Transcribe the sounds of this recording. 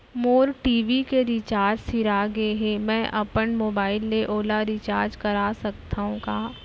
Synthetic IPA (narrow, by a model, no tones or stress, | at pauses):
moːɾʈiːʋikeɾɪt͡ʃaːɾd͡ʒsɪɾaɡeɦẽmɛ̃ːʔɐpənmoːbaːɪlːeʔoːlaɾɪt͡ʃaːɾd͡ʒkɐɾasɐkt̪aːɦũkaː